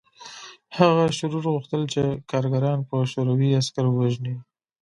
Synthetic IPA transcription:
haɣaʃʊɾuɾɣuxt̪əlt͡ʃekɑɾɡaɾɑnpəʃoɾawiaskaɾwaʒni

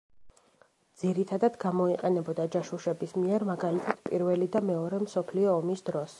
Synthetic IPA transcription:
d̪z̥iɾit̪ʰad̪ad̪ɡamɔiqʼɛnɛbɔd̪ad͡ʒaʃuʃɛbismiɛɾmaɡalit̪ʰat̪ʰpʼiɾvɛlid̪amɛɔɾɛmsɔpʰliɔːmisd̪ɾɔs

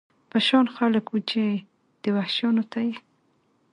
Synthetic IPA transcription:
paʃɑnxaləkwut͡ʃe | d̪̥əwahʃjɑnot̪aje

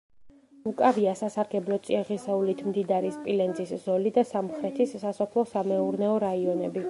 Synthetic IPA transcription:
ukʼaɾiasasaɾɡɛblˠɔt̪sʼiaʁisɛulit̪ʰmd̪id̪aɾispʼilɛnd̪ziszɔlid̪asamχɾɛt̪ʰisːasɔpʰlˠɔsamɛuɾnɛɔɾaiɔnɛbi

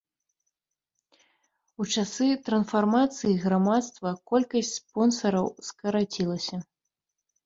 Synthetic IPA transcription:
ut͡ʂasɨt̪ɾɐnsfarmat̪sɨjiɣɾamat̪st̪vɐkɔlʲkɐsʲtʲspɔnsɐɾɐwskɐɾat͡sʲilˠɐsʲɐ

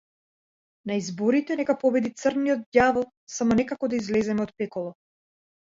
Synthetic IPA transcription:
naizbɔɾit̪ɛnɛkapɔbɛd̪it̪sərnijɔt̪̚davɔlˠ | samɔnɛkakɔd̪aizlɛzɛmɛɔt̪̚pɛkɔlˠɔ

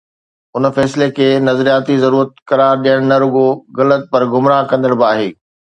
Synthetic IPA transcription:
ʊn̆fɛːslekʰeːnɐzɾijaːt̪izɐɾuːɾət̪kɐɾaːɾɗijəɽ̃nɐɾʊɠoɣɐlət̪̚pɐɾɡʊmɾaːkɐ̃nd̪əɽ̃bɪaːɦeː

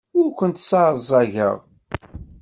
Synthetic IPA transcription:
ʊɾkʷənt̪sɑɾəzˤːɑʝə̰ʁˤ

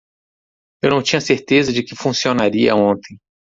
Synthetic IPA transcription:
ewnɐ̃w̃t͡ʃĩɲɐseɾt̪ezɐd͡ʒɪkɪfũsionaɾiɐ̰õnt̪ẽj̃

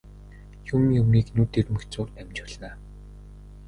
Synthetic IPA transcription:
jumjɵmiːknuːt̪ermɵ̆xt͡sʊːrt̪æmt͡ɕə̆ɮaː

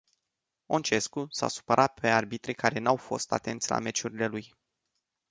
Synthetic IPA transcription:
o̞nt͡ʃe̞skusa̰su̥pəɾʔat̪̚pʰe̞arbit̪ɾekaɾe̞nawfo̞̰st̪a̰t̪e̞nt̪sʲla̰me̞t͡ʃuɾile̞luj

